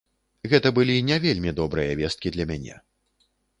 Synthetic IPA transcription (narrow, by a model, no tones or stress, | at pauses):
ɣɛt̪ɐbɨlʲinʲavʲelʲmʲid̪ɔbɾɨjɐvʲɛst̪̚kʲid̪lʲɐmʲanʲɛ̰